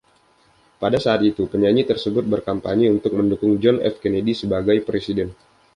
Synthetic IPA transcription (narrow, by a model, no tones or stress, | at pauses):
padasaːt̪it̪upəɲaɲit̪ərsəbʊt̪̚bərkampa̰ɲiunt̪ʊk̚məndukʊŋd͡ʒɔnɛ̰fkenedisəbaɡajpɾesidɛn